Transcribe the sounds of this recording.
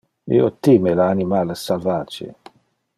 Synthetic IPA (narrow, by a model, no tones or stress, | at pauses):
ḛot̪ːimelaːnimalsalvaːt͡ʃḛ